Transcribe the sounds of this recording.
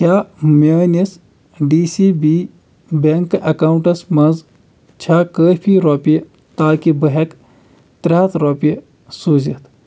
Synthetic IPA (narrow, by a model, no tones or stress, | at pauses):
kʲaːmeːnes | ɖiːsibiː | beŋkɐkaːwɳʈɐsmɐnz | t͡ʃʰakəːpʰiɾɔːpij | t̪aːkibəɦek | t̪ɾʲaːt̪ɾɔːpi | suːzit̪ʰ